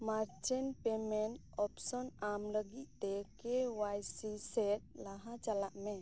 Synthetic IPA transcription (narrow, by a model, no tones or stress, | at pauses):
maɾt͡ʃɛnpɛmɛn | ɔpsɔnamləɡit̪̚ˀt̪ɛkɛwajsisɛt̪̚laɦat͡ʃalaʔmɛ